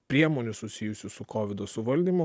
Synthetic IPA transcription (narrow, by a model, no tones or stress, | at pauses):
pʲɾʲiɛmoːnʲʊsʊsʲɪjʊsʲʊsʊkoːʋʲɪd̪oːsʊʋɐlʲd̪ʲiːmʊ